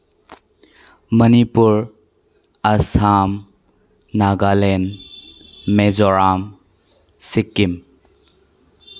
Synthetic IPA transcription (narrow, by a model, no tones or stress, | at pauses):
mənipuɾ | ɐsaːm | naːɡaːleːn | mezoɾaːm | sikːim